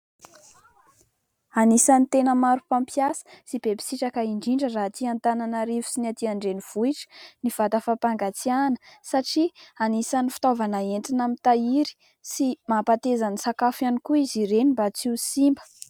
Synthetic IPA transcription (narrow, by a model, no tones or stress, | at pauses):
anisanit̪enəmaɾupampjasə̥sibepi̥siʈ͡ʂakəiɳɖ͡ʐiɳɖ͡ʐərat̪iant̪ananaɾivu̥sinat̪iaɳɖ͡ʐeniv̥uiʈ͡ʂə̥niv̥at̪əfapaŋɡat͡sianə̥saʈ͡ʂianisanifi̥t̪ovanaeɳʈ͡ʂinamit̪aiɾi̥ | simapat̪ezanisakafjanikuiziɾenimbat͡siusimbə̥